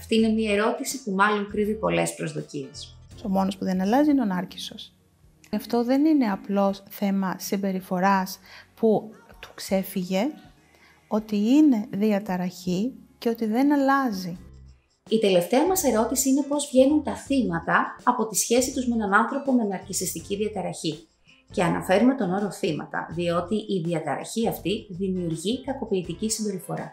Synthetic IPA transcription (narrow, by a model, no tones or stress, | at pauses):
ɐft̪iine̞mɲiɐe̞ɾo̞t̪isipumɐlo̞ŋkɾiðipo̞le̞spɾo̞zðo̞ciesso̞mo̞no̞spuðe̞nɐlɐziineonɐɾci̥so̞s | ɐft̪o̞ðe̞nine̞ɐplo̞sθe̞mɐsimbe̞ɾifo̞ɾɐsput̪u̥kse̞fiʝe̞ | o̞t̪iine̞ðiɐt̪ɐɾɐçice̞o̞t̪iðe̞nɐlɐzi | it̪e̞le̞ft̪e̞ɐmɐse̞ɾo̞t̪isiine̞po̞zvʝe̞nunt̪ɐθimɐt̪ɐɐpo̞t̪isçe̞sit̪uzmeenɐnɐnθɾo̞po̞menɐɾcisist̪iciðiɐt̪ɐɾɐçi | ce̞ɐnɐ̰fe̞ɾume̞t̪o̞no̞ɾo̞θimɐ̰t̪ɐ̰ðio̞t̪iʔiðiɐt̪ɐɾɐ̰çiɐft̪iðimiuɾʝikɐko̞piːt̪icisimbe̞ɾifo̞ɾɐ̰